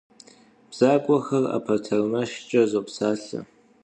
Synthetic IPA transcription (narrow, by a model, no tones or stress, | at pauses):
b̥z̥akʷʼɐxɐra̰pʰɐtʰɐrmɐʃt͡ʃʼɐzopsaːɬɐ̰